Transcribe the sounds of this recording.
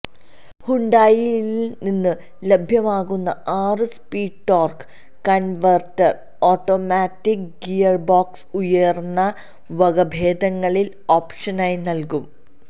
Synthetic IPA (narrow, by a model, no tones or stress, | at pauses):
huɳɖaːjiilninːɨ | lebʱjɐmaːɣunːɐaːrɨspiːɖʈoːrk | kɐnʋɐrʈːɐr | o̞ːʈːoːmaːtːikɡijɐrboːksujɐrnːɐ | ʋɐɣɐbʱeːd̪ɐŋːɐɭil | oːpʂɐnaːjinɐlkum